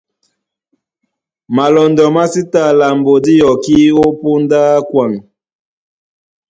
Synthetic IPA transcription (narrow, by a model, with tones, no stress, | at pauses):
ma˨lɔ˨ndɔ˨ma˦si˦ta˦˨la˨mbo˨di˦jɔ˨ki˦o˦po˦ndaː˦kwa˨ŋ